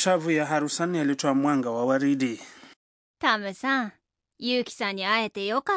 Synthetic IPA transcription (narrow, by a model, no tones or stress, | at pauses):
t͡ʃavujaɦaɾusanialitɔamwaŋɡawawaɾiɗi | t̪amɛsa | jiuki̥saɲiajɛt̪ɛjɔka